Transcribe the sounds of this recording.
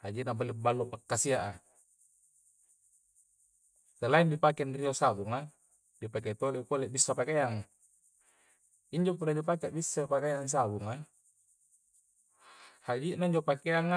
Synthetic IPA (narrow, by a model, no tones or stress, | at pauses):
had͡ʒiʔnabalibalːopakːasiaʔa | t̪elaindipakenriosabuŋa | dipaket̪olekoleʔbisːapakejaŋa | iɲd͡ʒopuɾadipakeaʔbisːapakejaŋs̬abuŋa | had͡ʒiʔnaiɲd͡ʒopakeaŋa